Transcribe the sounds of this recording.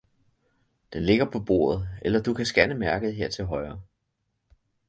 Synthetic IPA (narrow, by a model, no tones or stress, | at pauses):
d̥enle̝ɡ̥ɐpʰɒ̽b̥o̝̰ːɐð̞̩ˠelɐd̥ukʰæsɡ̥ænəmæɐɡ̥ð̩ˠɦeɐ̰t͡sʰe̝lɦɒ̽ɪɐː